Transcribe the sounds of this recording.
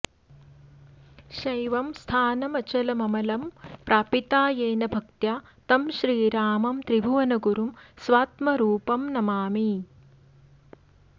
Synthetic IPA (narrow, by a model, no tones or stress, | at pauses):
ʃɐjʋɐmst̪ʰaːnɐmɐt͡ʃɐlɐmɐmɐlɐmpɾaːpit̪aːjeːnɐbʱɐkt̪jaː | t̪ɐmʃɾiːɾaːmɐmt̪ɾibʱuʋɐnɐɡuɾumsʋaːt̪mɐɾuːpɐmnɐmaːmi